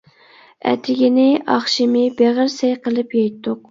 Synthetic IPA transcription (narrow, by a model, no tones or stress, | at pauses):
ɛ̰t̪ʰɪɡʲinɪʔɑχʃɪmɪbeʁəɾsɛjqəlˠɨpjɑjt̪ʰːʊq